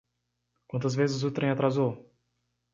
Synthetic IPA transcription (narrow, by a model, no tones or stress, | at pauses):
kwɐ̃nt̪ɐzvezɪzʊt̪ɾẽj̃at̪ɾazow